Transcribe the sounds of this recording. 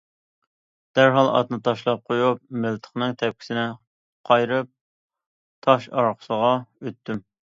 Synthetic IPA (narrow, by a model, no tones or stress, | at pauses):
d̪̥æɾɦɑlˠɑ̰t̪nɨt̪ʰɑʃlˠɑp̚qʰojup̚mɪlt̪ʰə̥χnɨŋt̪ʰɛp̚kʲi̥sɪnɪ | qʰɑjɾɨp̚ | t̪ʰɑʃɑɾqʰə̥səʁɑøt̪ːym